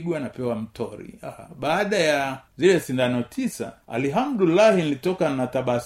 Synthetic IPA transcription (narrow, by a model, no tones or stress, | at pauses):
ɡwanapɛwam̩tɔɾḭaha̰ɓaːɗajazilɛsindanɔtʰisa̰a̰liɦamɗulahinilitɔkanataɓas